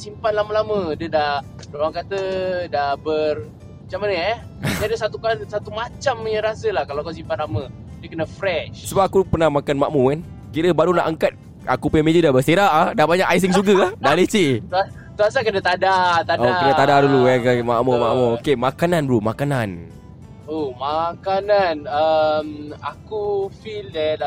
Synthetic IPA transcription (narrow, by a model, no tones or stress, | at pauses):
simpanlaməlamə̃dəda | dolaŋkat̪ədabər | mat͡ʃamanəa | diadəsat̪ukansat̪umat͡ʃaməɲəɾasəlahkalaakas̬impanlamə̃ | diəkənafɾɛʃsubap̚akupərnahmakanmaʔmukan | kiɾəbaɾuna̰ʔaŋkat̪̚ | a̰kupemed͡ʒudabəst̪eɾaʔadahbaɲakajs̬iŋsuɡəadalet͡ʃit̪ua | t̪uasakənat̪adat̪aokənat̪adaduluɛkamaʔmoma̰ʔmookemakananbɾumakanan | omakananəmakufildɛ